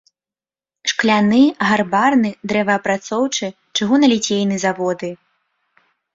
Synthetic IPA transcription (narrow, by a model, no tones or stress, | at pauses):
ʂklʲanɨɣarbarnɨd̪ɾɛvɐːpɾat̪sɔwt͡ʂɨ | t͡ʂɨɣunɐlʲit͡sʲejnɨzavɔd̪ɨ